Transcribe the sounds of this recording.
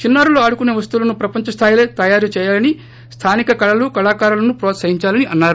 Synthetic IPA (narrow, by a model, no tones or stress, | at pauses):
t͡ʃinːaːɾulo̞ːɐɽukuneːʋɐst̪ulɐnupɾɐpɐɲt͡ʃɐst̪ʰaːjileːt̪ɐjaːɾut͡ʃɛːjaːlɐni | st̪ʰaːnikɐkɐɭɐlukɐɭaːkaːɾulɐnupɾoːt̪sɐɦiɲt͡ʃaːlɐniʔɐnːaːɾu